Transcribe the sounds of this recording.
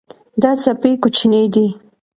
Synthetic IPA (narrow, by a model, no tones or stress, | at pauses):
d̪at͡sapekʊt͡ʃined̪i